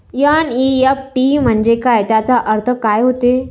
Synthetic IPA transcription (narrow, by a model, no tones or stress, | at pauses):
janiɛp̚ʈim̤əɳd͡ʑekajt̪jat͡saʔəɾt̪ʰəkajɦot̪e